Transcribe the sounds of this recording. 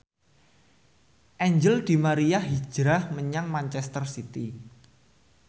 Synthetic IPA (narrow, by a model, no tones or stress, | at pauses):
ʔɛɲd͡ʒəld̪̥i̤maɾijahɦi̥d͡ʒ̥ɾahməɲaŋmaɲt͡ʃɛst̪ərsit̪i